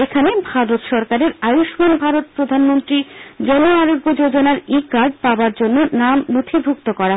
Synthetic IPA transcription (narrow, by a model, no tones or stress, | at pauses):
ekʰanebʱaɾot̪ʃɔɾkaɾeɾajuʃmanbʱaɾot̪̚pɾod̪ʱanmont̪ɾid͡ʑɔnoaɾobːod͡ʑod͡ʑonaɾikaɾɖ̚paoaɾd͡ʑonːonamnot̪ʰibʱuk̚t̪okɔɾa